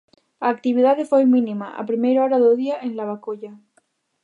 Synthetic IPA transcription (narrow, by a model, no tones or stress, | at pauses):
aːk̚t̪iβ̞iðaðefejmĩnĩmaʔa̰pɾimejɾoɾaðoðiaʔenlaβ̞akoʎa